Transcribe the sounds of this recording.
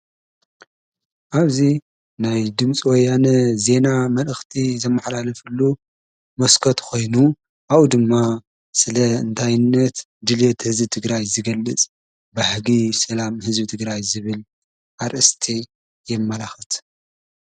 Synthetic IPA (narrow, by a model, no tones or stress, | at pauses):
ʔaβzi | najd̪ɨmt͡sʼiwɔjːanɐze̞namɐlɨxt̪ʰizɐmːaħlalɐfɨlːu | mɐskʰot̪kʰo̞jnu | ʔaʔud̪ɨmːa | sɨlɐɨ̰nt̪ʰajɪnːɐt̪ | d̪ɨlet̪hɨzbɨt̪ʰɨɡɾajzɨɡɐlːɨt͡sʼ | baħɡisɐlamhɨzbɨt̪ʰɨɡɾajzɨβɨl | ʔaɾʔɐst̪ʰe | jɛmːɐlaxɐt̪